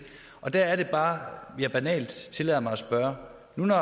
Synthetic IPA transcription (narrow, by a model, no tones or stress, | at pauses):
ʔɒ̽d̥æɐæɐɾe̝b̥ɑ̈ːjɑ̈b̥ænɛ̰ːld̥t͡sʰe̝lɛðˠɐmɑ̈ɪɒsb̥ɶːɐ | nunɒ